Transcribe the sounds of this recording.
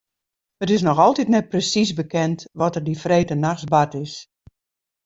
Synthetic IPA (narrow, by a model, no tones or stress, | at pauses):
ətɪs̬nɔxɔlˠtitnɛt̚prəsisbəkɛntʋɔtərdifreːtənaxsbatɪs